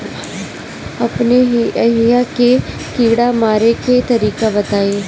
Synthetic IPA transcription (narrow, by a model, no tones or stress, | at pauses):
ɐpneɦiʔɐɦijake | kiːɽamaːɾeket̪ɐɾiːkabɐt̪aːeː